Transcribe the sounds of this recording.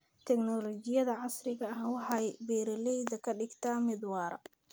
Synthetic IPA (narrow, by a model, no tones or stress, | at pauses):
t̪ʰɛɡnɔlɔt͡ʃɪjɐðɐʕɑsrɪɣɐɐhwɑħɑjbɛːɾɐlɛjðɐkʰɐɖɪɡt̪ʰaːmɪd̪wɑːɾɐ̰